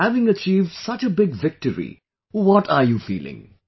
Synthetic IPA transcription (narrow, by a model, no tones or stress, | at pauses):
ævɪ̃ŋət͡ʃiːvɖ̥sʌt͡ʃəbɪɡvɪk̚ʈəɹḭ | wɔʈʰaɹjuːfḭːlɪ̰̃ŋ